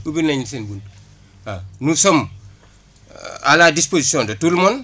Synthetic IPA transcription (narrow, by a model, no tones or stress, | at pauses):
ubinaɲisenbun | anusom | a̰ladisposisiõndotulmon